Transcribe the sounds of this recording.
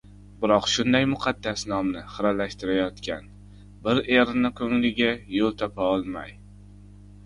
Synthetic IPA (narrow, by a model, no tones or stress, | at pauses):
bɪɾɒqʃʊnd̪ajmʊqʰɑd̪ːasnɒmnɪχɨɾalaʃt̪ɪɾajɒt̪kʲʰan | bɪɾeɾɪnɪkʰɵŋlɪɡʲajolˠt̪ʰɒpʰaɒlˠma̰j